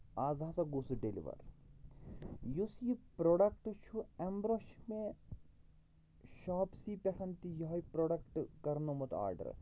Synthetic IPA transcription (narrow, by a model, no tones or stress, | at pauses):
aːzaːsɐɡusuɖelḭʋɐ̰ɾ | jusjipɾoːɖɐk̚ʈt͡ʃʰuɛmbɾoʃme | ʃɔːpsipʲɐʈʰɐnt̪ijɔɦɐjpɾoːɖɐkʈkɐɾnomɐt̪a̰ːɾɖɐ̰ɾ